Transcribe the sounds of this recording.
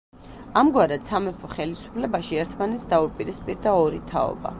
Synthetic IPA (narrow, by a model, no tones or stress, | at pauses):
amɡwaɾat̪samɛpʰɔχɛlisu̥pʰlɛbaʃiɛɾt̪ʰmanɛt̪sd̪aupʼiɾispʼiɾd̪aɔɾit̪ʰa̰ɔ̰ba̰